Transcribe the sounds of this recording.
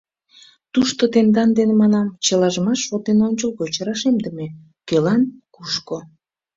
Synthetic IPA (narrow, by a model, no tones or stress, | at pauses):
t̪uʃt̪ot̪end̪ɑnd̪enemɑnɑmt͡ɕəlɑʒəmɑʃot̪enonʲt͡ɕəlɣot͡ɕəɾɑʃemd̪əme | kølɑnkuʃko